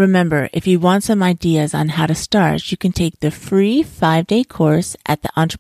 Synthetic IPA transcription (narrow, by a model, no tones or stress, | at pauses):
ɹɨmɛ̃mbə˞ʔɨ̰fjɨwɑ̃ntsʌ̃maɪdiɨzn̩haʊɾɨstɑɹt͡ʃɨkʰɨ̃ntʰeɪk̚ðɨfɹifaɪvdeɪkʰɔɹsʔɨ̰t̪̚ðiʔɑ̃nt͡ʃɹ̥ə